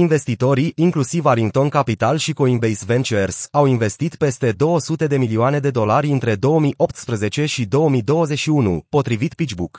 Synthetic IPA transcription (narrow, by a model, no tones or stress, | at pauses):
inve̞st̪it̪o̞ɾiiŋklusivaɾiŋkt̪o̞nkapit̪alʃikoinbejsve̞nt͡ʃersawinve̞st̪it̪pe̞st̪e̞d̪o̞wəsut̪e̞d̪e̞milioane̞d̪e̞d̪o̞laɾʲɨnt̪ɾe̞d̪o̞wəmijo̞pt̪spɾəze̞t͡ʃe̞ʃid̪o̞wəmijd̪o̞wəzeʃiunṵpo̞t̪ɾivit̪pit͡ʃbuk